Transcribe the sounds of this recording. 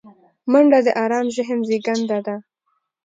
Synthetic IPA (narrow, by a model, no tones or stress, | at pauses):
maɳɖad̪əʔɑɾɑnʒɪɦənzeɡand̪ad̪a